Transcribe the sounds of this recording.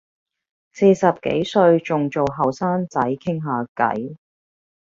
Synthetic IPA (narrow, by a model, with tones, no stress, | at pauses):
se˧jsɐ˨p̚kḛ˨˥jsɵ˧ɥt͡sʊ˨ŋt͡ʃo˨wɦɐ˨˩wsaː˥nt͡sɐ˨˥jkʰɪ˥ŋɦaː˨kɐ̰˨˥j